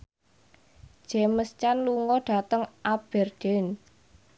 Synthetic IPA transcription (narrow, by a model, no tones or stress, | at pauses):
d̥ʒ̥eməst͡ʃanluŋɔɖ̥a̤t̪əŋʔab̥ɛ̤rd͡ʒ̥ɛn